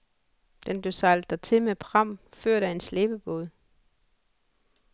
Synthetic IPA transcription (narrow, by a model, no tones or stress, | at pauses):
d̥enb̥lesɑldd̥ɐt͡sʰe̝lmepʰʁɑ̈m̰føɐ̰ɾ̥əe̝nsleːb̥əb̥o̝ðˠ